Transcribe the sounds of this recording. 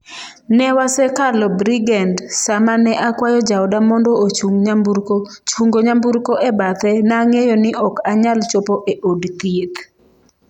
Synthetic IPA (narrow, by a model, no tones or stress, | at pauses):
nɛwasɛkalɔbɾiɡɛndsamanɛʔakwajɔd͡ʒaɔdamɔndɔot͡ʃuŋɲambuɾkot͡ʃuŋɡoɲambuɾkoʔɛbat̪ɛnaŋejonɪʔɔkaɲalt͡ʃopɔʔeʔodkiet̪